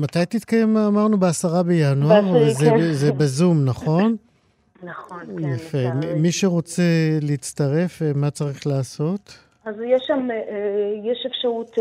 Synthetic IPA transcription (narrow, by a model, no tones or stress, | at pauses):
matajtit̪kajemaːmaʁnubeasaʁabejanuaʁzezebezumnaχo̞n | naχonjafemiʃe̞ʁo̞t͡se̞leit͡staʁe̞femat͡saʁiχlaːso̞t | azjɛʃam | jeʃefʃaʁut